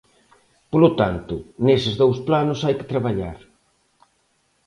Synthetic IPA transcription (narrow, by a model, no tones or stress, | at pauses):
polot̪ant̪ʊnesɪzðowsplanʊsajkɪ̥t̪ɾaβ̞aʎaɾ